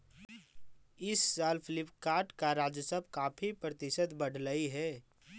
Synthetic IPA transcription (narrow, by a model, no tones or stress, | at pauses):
ɪsːaːlpʰɪlɪpkaːʈkaɾaːd͡ʒəsəbʱkaːpʰipɾət̪ɪʃət̪bəɽ̤ʱləiɦɛː